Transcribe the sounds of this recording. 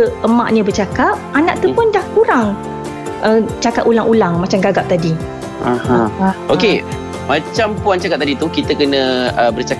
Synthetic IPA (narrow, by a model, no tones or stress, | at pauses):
əəmã̰ʔɲəbərt͡ʃakap̚anãʔt̪əpʊndahkuɾaŋ | ʔət͡ʃakaʔulaŋʔulaŋmat͡ʃamɡaɡap̚t̪adi | ahãoke | mãt͡ʃampuant͡ʃakap̚t̪adit̪ukit̪əkənə̃əbərt͡ʃa